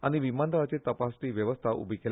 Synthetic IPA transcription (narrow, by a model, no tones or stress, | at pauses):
aɽ̃iʋimand̪əɭat͡set̪əpasʈ̪iːʋjəʋəst̪ʰaʔṵbʱikel